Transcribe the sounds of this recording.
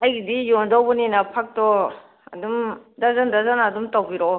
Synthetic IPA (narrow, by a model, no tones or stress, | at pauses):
ajɡidijɔndawbɔninapʰak̚tɔ | a̰dumdazandazanadumtawɡiɾɔ